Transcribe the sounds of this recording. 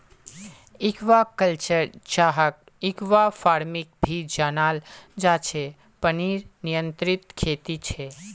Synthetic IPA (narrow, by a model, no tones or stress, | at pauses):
ɪkʋakəlt͡ʃəɾt͡ʃaɦək̚ | ɪkʋafaːɾmik̚bʱid͡ʒanaːld͡ʒaːt͡ʃʰe | pəniɾnijə̃nt̪ɾɪt̪kʰeːt̪it͡ʃʰe